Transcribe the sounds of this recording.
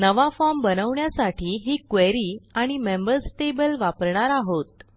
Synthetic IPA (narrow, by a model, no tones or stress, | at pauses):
nəʋafɔɾmbənəʋɳjasaʈʰiːɦiːkʋeɾiːaɽ̃imembəɾsʈebəlʋapəɾɳaɾaɦot̪